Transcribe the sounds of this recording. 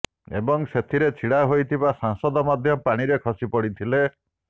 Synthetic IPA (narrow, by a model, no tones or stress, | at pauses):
ḛbɔŋset̪ʰiɾet͡ʃʰiɽaɦojt̪ʰibasaŋsɔd̪ɔmad̪ʱjɔpaɽ̃iɾekʰɔsipɔɽit̪ʰile